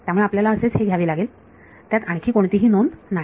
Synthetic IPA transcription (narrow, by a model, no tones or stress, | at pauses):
t̪jamuɭeapljalaəset͡sɦeɡʱjaʋiːlaɡeːl | t̪jat̪aɽ̃kʰiːkoɳ̃t̪iːɦiːnonːa